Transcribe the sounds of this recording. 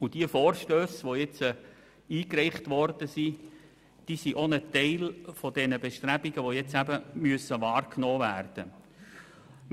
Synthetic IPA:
ʊd̥iəfɔːɾʃtøːsʋojɛt͡sə | iːkrɛɪχtʋɔrd̥əsi | d̥iːsiʔonətɛɪlfod̥ɛnəbɛʃtɾæbiɡəʋojɛt͡sæbəmyəsəʋɑːrknɔːværd̥ə

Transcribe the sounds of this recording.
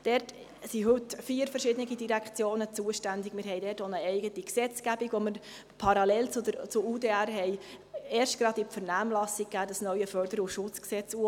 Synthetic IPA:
d̥ɛɾt | siɦɵtfiːəɾfəɾʃɪd̪ənɪɡidiɾækt͡sjoːnət͡suəʃtænd̪ɪɡmɪːɾɦɛɪdɛːtonəɛɪɡətiksɛt͡sɡ̥æbiɡʋoməɾ | pʰɑɾɑlɛlt͡sʊdəɾt͡sʊuːdeæɾɦɛɪ | eːɾʃtɡ̥ɾɑd̪ɪfəɾnæːmlɑsɪk̚kːæːd̥əsnœʏəfœɾd̥̪əɾuʃʊt͡sksɛt͡su

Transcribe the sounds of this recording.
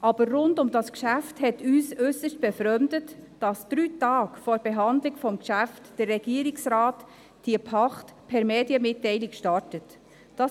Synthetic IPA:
ʔɑb̥əɾrʊndʊmdɑskʃæfthɛtyːsøsəʃt̚b̥ɛfɾœmdətd̥ɑsd̥ɾyːtɑːkfɔːɾb̥ɛɦɑndlɪɡfɔmkʃæftd̥ərːɛɡiːɾɪksɾaːt | d̥iəpʰɑχtpʰɛɾmɛːdiəmɪtːɛɪlɪkʃtɑɹtət | d̥ɑ

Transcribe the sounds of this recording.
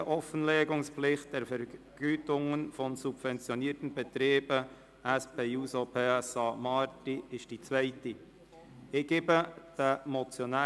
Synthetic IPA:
əʔɔfənlɛːɡʊŋsplɪχt̚d̥ɛɾfɛɾɡ̥yːtʊŋənfɔnsub̥vɛnt͡sjɔniəɾtən̩bɛt̪ɾeːb̥ə | æspʰeːuːsopʰeːɛsɑmɑːɾtiɪʃd̥it͡svɛɪti | ɪɡ̥eːbəd̥əmɔt͡sjɔnæː

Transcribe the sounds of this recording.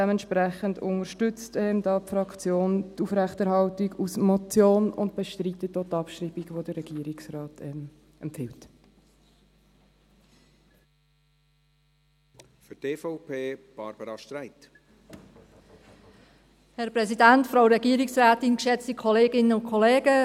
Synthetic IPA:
ɛməntʃpɾæχəndʊ̰ŋəɾʃtʏt͡stɛmdɑpfɾɑkt͡sjoːntuːfɾɛχtɛɾhɑltiɡusmɔt͡sjoːnʊnd̚b̥ɛʃtɾiːt̪ətːoːtɑpʃɾiːbiɡʋod̥əːɛɡ̥iːɾiksrɑːtʰɛm | ɛmpfɪlt | fʏteːfɔʊpʰeːb̥ɑɾb̥əɾɑʃtɾaɪt | hɛɾpɾɛsidæntfɾaʊɾɛɡiːɾɪksɾaːtɪnkʃɛt͡stikʰɔleːɡɪnəʊnkʰɔleːɡə

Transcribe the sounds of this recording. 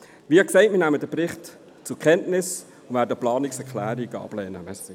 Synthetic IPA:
ʋiəksɛɪt̚miənæmədəpɾɪχt | t͡sʊkʰɛntnɪs | ʊnvæːɾdəplɑːniksɛkʰlæːɾiɡəɑ̰ːb̥lɛːnəmɛs

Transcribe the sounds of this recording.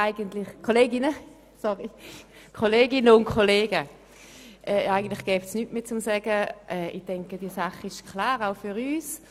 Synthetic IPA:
aɪɡəntlɪχkʰːoleːɡɪnə | sɔʁi | kʰoleːɡɪnəʊntkʰoleːɡə | ʔɛːaɪɡən̩tlɪχɡ̥ɛːftsnytmeːt͡sʊmsɛɡ̥əʔɛːɪ̰χd̥ɛŋkəd̥iːsaχɪʃkʰlaːʁaʊfyʁyːs

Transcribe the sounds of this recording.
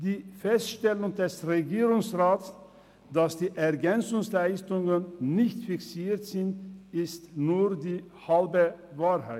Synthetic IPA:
d̥iːfɛstʃtɛlʊŋdɛsʁeɡiːʁʊŋsʁaːts | d̥asd̥iːʔɛɐɡɛnt͡sʊŋslaɪstʊŋənnɪçtfɪksiːtz̥ɪntɪstnuːʁdiː | halbəvaːʁhaɪt

